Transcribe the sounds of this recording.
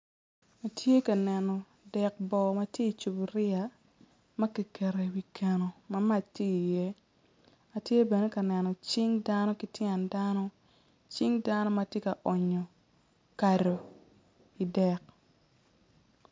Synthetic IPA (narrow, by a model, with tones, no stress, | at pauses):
a˨tʰje˦ka˨nɛ˨nɔ˨ | dɛ˨k̚bɔ˨mɐ˦tje˦i˨t͡ʃu˨bɾɪ˦a˨ | mɐ˦ki˨kɛ˨ɾe˨wi˨kʰe˨no˨mɐ˦ma˦˨t͡ʃti˦i˨je˦ | a˨tje˦bɛ˨ne˦ka˨nɛ˨nɔ˨t͡ʃɪ˦ŋda˦nɔ˦ki˦tjɛ˨nda˦nɔ˦ | t͡ʃɪ˦ŋda˦nɔ˦ma˨tje˦ka˨ʔɔ˨ɲɔ˨ | ka˨ɾo˨ | i˨dɛ˨k̚